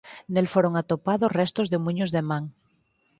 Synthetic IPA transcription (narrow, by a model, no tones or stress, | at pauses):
nelfoɾoŋat̪opaðosrest̪ozðemũɲozðemãŋ